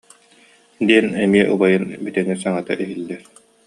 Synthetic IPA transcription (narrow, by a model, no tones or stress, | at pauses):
d̪iɛnɛmiɛʔṵbajɯnbit̪ɛŋisaŋat̪a̰ʔiɦilːɛɾ